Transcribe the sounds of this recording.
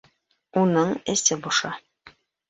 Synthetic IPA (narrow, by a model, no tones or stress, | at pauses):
unɤɴɘsɘbuʃɑ